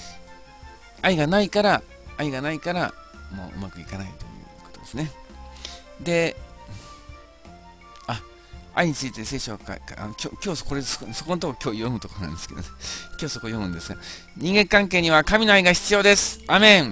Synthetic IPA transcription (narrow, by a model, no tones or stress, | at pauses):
aiɡanaikaɾaː | iɡanaikaɾamo̞̰ːɯ̟̰makɯ̟ikanait̪o̞̰jɯ̟̰ːko̞̥t̪o̞d̪e̞sɨne̞ | d̪e̞ | a | a̰iɲ̟it͡sɨit̪ese̞ːɕoβakaka̰nokʲo̰ːkʲo̞ːskoɾesso̞ko̞not̪okkʲo̞ːjo̞mɯ̟t̪o̞konã̰nd̪e̞sɨ̥ke̞d̪o̰nekʲo̞ːsokojõ̞mɯ̟̃nd̪esɨɡa | ɲ̟ĩŋɡẽ̞ŋkãŋke̞ːɲ̟iβakamʲino̞aiɡaçi̥t͡sɨjo̞ːd̪e̞sɨ̥aːmẽ̞ŋ